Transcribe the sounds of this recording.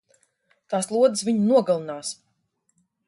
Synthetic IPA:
t̪aːslˠuɔd̪ɨsvʲiɲunuɔɡalˠɨnaːs

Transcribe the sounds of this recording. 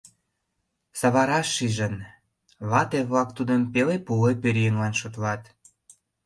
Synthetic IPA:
sɑβɑɾɑʃːiʒən | βɑt̪eβlɑk̚t̪ud̪əmpelepulepeɾjəŋlɑnʃot̪lɑt̪

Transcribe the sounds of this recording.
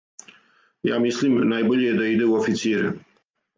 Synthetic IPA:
ja̰mislimnajbulied̪əid̪eofit̪seɾe

